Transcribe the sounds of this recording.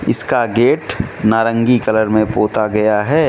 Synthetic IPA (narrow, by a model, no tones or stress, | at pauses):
ɪ̰skaɡeːʈnaːɾə̃ŋɡikɐləɾmẽpoːt̪aɡɐjaɦɛː